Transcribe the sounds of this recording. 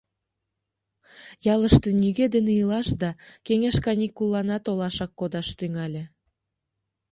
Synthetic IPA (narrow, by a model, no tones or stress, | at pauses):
jɑləʃt̪enyɣed̪eneilɑʃd̪ɑkeŋeʃkɑnikulːɑnɑt̪olɑʃɑkːod̪ɑʃt̪yŋɑlʲĕ